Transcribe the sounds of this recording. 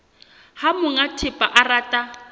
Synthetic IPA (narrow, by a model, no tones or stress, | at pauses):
hamʊŋatʰɪpʼaʔaraːtʼa